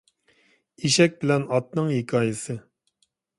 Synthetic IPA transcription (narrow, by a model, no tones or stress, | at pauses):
iʃɛk̚ʲbɪlɛnɑt̪̚nɨŋhikʰɑːjɪsɨ